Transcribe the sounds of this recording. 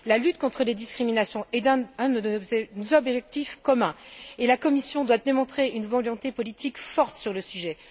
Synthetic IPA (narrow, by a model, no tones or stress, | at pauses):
lalyt̪kɔ̃t̪χəled̪iskχiminasjɔ̃ɛd̪ɛ̃bɛzɔbʒɛk̚t̪ifkɔmɛ̃elakɔmisjɔ̃d̪wad̪emɔ̃t̪χeynvɑ̃jɔ̃t̪epɔlit̪ʰikfɔʁt̪syʁləsyʒɛ